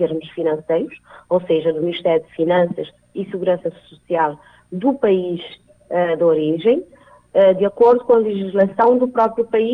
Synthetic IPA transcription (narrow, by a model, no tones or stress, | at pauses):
eɾmuʃfinɐ̃sejɾuʃowseʒɐd̪umniʃt̪ɛɾjud̪finɐ̃sɐʃ | isɨɣuɾɐ̃sɐsusialˠ | d̪upɐiʃ | ɛd̪oɾiʒẽj̃ | ɛd̪ɨɐkoɾðukõɐlˠɨʒiʒlˠɐsɐ̃w̃d̪upɾɔpɾjupɐi